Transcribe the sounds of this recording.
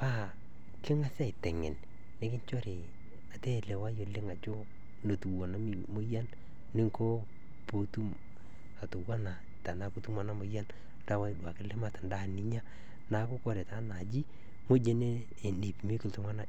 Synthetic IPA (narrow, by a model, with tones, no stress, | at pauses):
pa˦ | kɪ˦ŋa˦sa˦˨tɛ˨ŋɛ̰˨n | nɪ˨˦kɪ˦ɲt͡ʃo˦ɾe˨ | a˨te˦˨le˨wa˦jo˨lɪ˦ŋa˨t͡ʃo˦ | no˨tu˨wo˨na˦mi˦mo˦ja˦n | nɪ˦ŋko˦ | po˨˦tu˦m | a˨tu˨wa˦na˨ | ta˨na˨ku˦tu˦ma˨˦na˦mo˨˦ja˦n | nda˦wa˦˨dwa˨kɪ˦lɪ˦ma˨tnda˦˨ni˦ɲa˦ | na˨ko˦kɔ˨ɾe˨ta˦na˨d͡ʒi˦ | mo˦d͡ʒe˦ne˦˨ | ni˨pi˨mi˦kɪ˨ltʊ˦ma˦na˨